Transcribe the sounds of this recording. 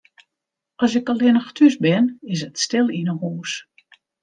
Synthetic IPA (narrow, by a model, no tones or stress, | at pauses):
ɔsɪkɔlɪnəxtʰysbɪnɪs̬ətstɪlˠinəhoːs